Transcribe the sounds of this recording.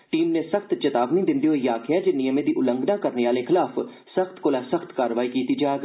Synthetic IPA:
ʈiːmnesɐxt̪t͡ʃɐt̪aːʋnĩd̪ɪ̃nd̪iɦoijaːkʰjad͡ʒenijəmẽd̪iʔʊlə̃ŋɡnakɐɾneʋaːlẽxɪlaːf | sɐxt̪koːlasəxt̪kaːɾʋaːikiːt̪id͡ʒaːɡ

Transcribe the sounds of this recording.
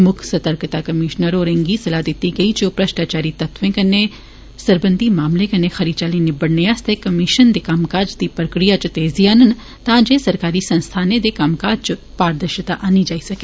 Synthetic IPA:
mʊkʰsɐt̪əɾkt̪akɐmɪːʃnəɾoːɾẽŋɡisɐlad̪ɪt̪iɡɐid͡ʒoːpɾɐʃʈaːt͡ʃaːɾit̪ɐt̪ʰʋẽkɐnːe | sɐɾbə̃nd̪imaːmlẽkɐnːexɐɾid̪t͡ʃaːlĩnebəɽneaːst̪ʰekɐmɪʃənd̪ekaːmkaːd͡ʒd̪ipɾəkɾijat͡ʃt̪eːzianən | t̪ãd͡ʒesɐɾkaːɾisɐ̃nst̪ʰaːned̪ekaːmkaːd͡ʒt͡ʃʊ | paːɾd̪əɾʃət̪aʔaːnid͡ʒaːisɐkeː

